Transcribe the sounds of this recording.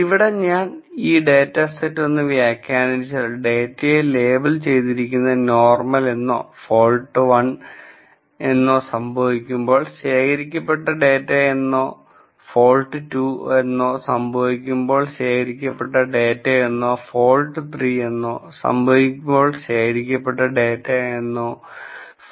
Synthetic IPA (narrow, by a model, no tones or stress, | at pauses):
iʋiɽe̞ɲaːniːɖeːtːɐsetːonːɨʋjaːkʲːaːnɐt͡ɕːɐɖe̞ːtːɐjele̞ːbɐlt͡ɕe̞jt̪iɾikʲːunːɐno̞ːrmɐle̞nːo̞̰ːfo̞ːlʈːɨʋɐn | e̞nːo̞ːsɐmbʱɐʋikʲːumbo̞ːɭɕeːkʰɐɾikʲːɐpːeʈːɐɖeːtːeenːo̞ː | foːlʈːɨtuːenːoːsɐmbʱɐʋikʲːumbo̞ːɭɕeːkʰɐɾikʲːɐpːeʈːɐɖeːtːeenːoːfo̞ːlʈːɨt̪ʰriːenːoːsɐ̰mbʱɐʋikʲːumbo̞ːɭɕe̞ːkɐɾikʲːɐpːeʈːɐɖeːtːeenːoː